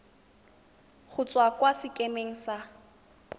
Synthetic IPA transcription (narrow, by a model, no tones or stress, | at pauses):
χʊt͡sʼwakwasɪkʼemeŋ̩sa